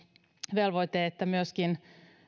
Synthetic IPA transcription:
ʋelʋojt̪eːet̪ːæmyøskin

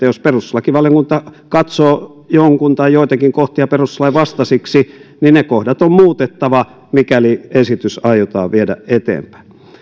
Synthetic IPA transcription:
æjosperuslɑkiʋɑljoŋkunt̪ɑ | kɑt̪soː | joŋkunt̪ɑijoit̪ɑkiŋkoht̪iɑperuslɑiʋɑst̪ɑsiksininnekohdɑt̪ommuːt̪et̪ːɑʋɑ | mikæliesit̪ysɑijot̪ɑ̰ːʋiedæ̰et̪ḛːmpæ̥i

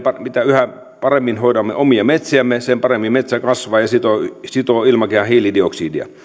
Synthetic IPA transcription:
pɑmit̪æyhæ | pɑremːinhoidɑmːḛʔomiɑmet̪siæmːesempɑremːimmet̪sækɑsʋɑːjɑsit̪osit̪oilmɑkehɑhiːlidioksiːdiɑ̰

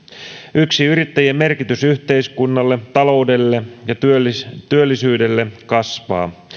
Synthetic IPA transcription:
yksiyɾit̪ːæjeme̞rkit̪ysyht̪e̞iskunːɑlːe̞t̪ɑlo̞ude̞lːe̞jɑt̪yølt̪yølːisyːde̞lːe̞kɑsʋɑ̰ː

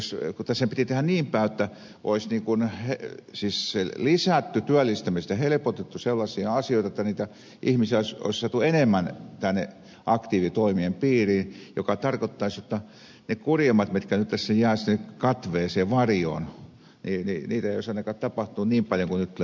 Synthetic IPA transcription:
skut̪ːæsempit̪it̪ehænniːmpæːot̪ːæ | ʔo̰isniːŋkunhesiːsselisæˑt̪ːyt̪yælːist̪æmist̪æhelepot̪et̪ːuselːɑsiɑɑsijoˑit̪ɑĕt̪ːæniːt̪æ | ʔihmisioˑiso̰issɑt̪uenemːænt̪ænːḛ | ʔɑkt̪iːʋit̪oimiempiːriːnjokɑt̪ɑrkot̪ːɑisjot̪ːɑ | nekurjɑmɑt̪mit̪kænyt̪ːæsːejæːsnekɑt̪ʋeːseːʋɑrjo̰n | nininiːt̪æeioˑsɑinɑkɑːtt̪ɑpɑht̪uːnniːmpɑljoŋkunyt̪

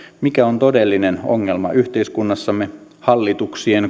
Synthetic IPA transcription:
mikæont̪o̞delːineno̰ŋːelmɑ̰ʔyht̪e̞iskunːɑsːɑmːehɑlːit̪uksien

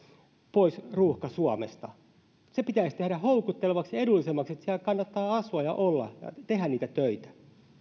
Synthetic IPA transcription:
poisruːhkɑsuɑmḛst̪ɑ | sepit̪æisʲt̪ehɾæhoukut̪ːeleʋɑksedulːisemːɑkset̪siælkɑnːɑt̪ːɑːɑsuɑjɑ̰ʔolːɑ̰jɑ̰t̪ehænniːt̪æt̪øit̪æ̥

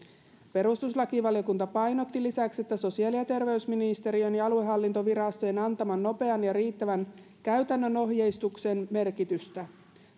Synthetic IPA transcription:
pe̞ɾust̪uslɑkiʋɑlijo̞kunt̪ɑpɑjno̞t̪ːilisækse̞t̪ːæso̞siɑːliɑt̪e̞rʋe̞ysminist̪e̞ɾionjɑɑlue̞ɦɑlːint̪o̞ʋiɾɑst̪oje̞nɑnt̪ɑmɑnːo̞pe̞ɑnjɑɾiːt̪ːæʋæn | kæɥt̪ænːøno̞ɦje̞jst̪ukse̞nme̞rkit̪yst̪æ

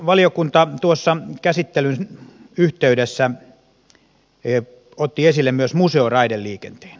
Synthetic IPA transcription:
ʋɑlijokunt̪ɑt̪uosːɑkæsit̪ːelyn | yht̪eydesːæ | ot̪ːiesilːemmyøsmuseorɑidelliːkent̪e̥ːn

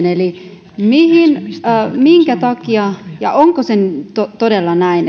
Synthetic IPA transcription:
neli | mihinːmiŋkæt̪ɑkiɑjɑ̰ʔoŋkosent̪ot̪odelːɑnæin

